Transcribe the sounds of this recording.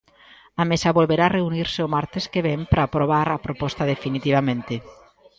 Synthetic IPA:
amesaβolβeɾareuniɾseomaɾt̪eskeβ̞empɾʔapɾoβaɾapɾopɔst̪aðefinit̪iβamẽnt̪e

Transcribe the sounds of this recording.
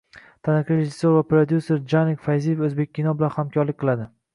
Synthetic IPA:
t̪ʰanɪkʲɪɪsoɾvapɾod̪juseɾd͡ʒanikʲfajzijfɵzbe̞k̚ʲːinɒbɪlanhamkʰʲɒɾlɪk̚ʲqʰɨlˠad̪ɪ

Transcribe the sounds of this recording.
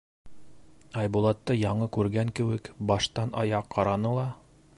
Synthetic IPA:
ɑjbulˠɑt̪ːɤjɑɴɤkʉɾɡæŋkɘ̆wɘkbɑʃt̪ɑnɑ̰jɑqːɑɾɑnɤlˠɑ

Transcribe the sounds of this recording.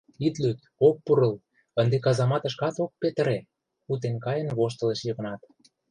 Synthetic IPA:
it̪lyt̪ | ok̚puɾə̆l | ənd̪ekɑzɑmɑt̪ə̆ʃkɑt̪ok̚pet̪ə̆ɾe | ut̪̬enkɑjə̆nβoʃt̪ə̆leʃjɤɣə̆nɑt̪

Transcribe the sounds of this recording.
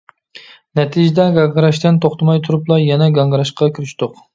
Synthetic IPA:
nɛt̪ʰid͡ʒɛd̪ɛɡɑŋɡɾɑʃt̪ɪnt̪ʰoχt̪ɑmɑjt̪ʰuɾuplˠɑjɛnɛɡɑŋɡɾɑʃqɑkʲʰyɾyʃt̪ʊq

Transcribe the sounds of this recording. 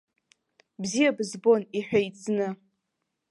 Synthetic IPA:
bzijabɨzbo̞niħʷᶣajt͡sʰʼnɨ

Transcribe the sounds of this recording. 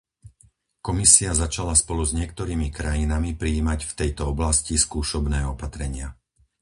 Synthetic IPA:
kɔmisiazat͡ʃalaspɔluzɲɪɛk̚t̪ɔɾiːmikɾajinamipɾiːmacft̪ɛjt̪ɔɔblasciskuːʃɔbnɛːɔpat̪ɾɛɲɪa

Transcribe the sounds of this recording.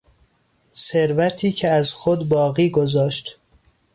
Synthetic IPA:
seɾvæt̪ʰiːcʰeæzxod̪bɒːɣiːɡozɒːʃt̪

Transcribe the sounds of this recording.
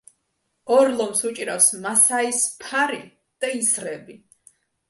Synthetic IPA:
ɔɾlˠɔmsut͡ʃʼiɾafsmasaispʰaɾḭ | d̪̥aisɾɛbi

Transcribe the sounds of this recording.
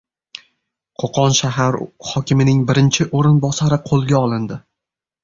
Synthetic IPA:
qʰoqʰɒnʃaɦaɾhɒkʲɪmɪnɪŋbɪɾɪnt͡ʃʰɪʔoɾɪnbɒsaɾɪqʰolˠɡʲaɒlˠɪnd̪ɪ

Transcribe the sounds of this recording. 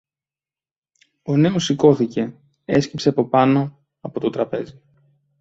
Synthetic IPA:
o̞ne̞o̞siko̞θice̞ | e̞scipseɐpo̞pɐno̞ | ɐpo̞t̪o̞t̪ɾɐpe̞zi

